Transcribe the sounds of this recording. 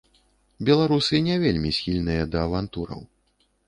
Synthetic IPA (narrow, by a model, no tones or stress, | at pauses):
bʲɛlˠaɾusɨnʲɛvʲelʲmʲisʲxʲilʲnɨjɐd̪ɐːvant̪uɾɐ̰w